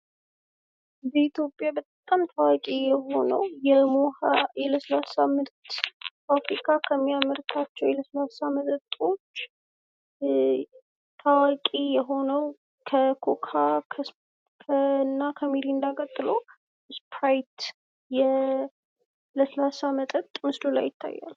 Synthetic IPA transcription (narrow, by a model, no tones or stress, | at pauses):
bəit̪ʰjo̞pʼjabət̪ʼt̪ʼːamt̪ʰawakʼijɛɦo̞nə̰wjɛmohaʔɛləsəlasamːɨɾt̪kʰəafɾikʼʰakʰəmːijaməɾt̪ʰat͡ʃːɛweləsəlasaməzət̪ʼo̞t͡ʃː | t̪ʰawakʼijɛɦo̞nəw | kʰəkʰokʰakʰə | kʰənːakʰəmiɾind̪akʼət̪ʼːɨləw | ɨspʰɾajt̪ | jɛ | ləsəlasamət̪ʼət̪ʼmɨslula̰jːɪt̪ʰːa̰jːa̰l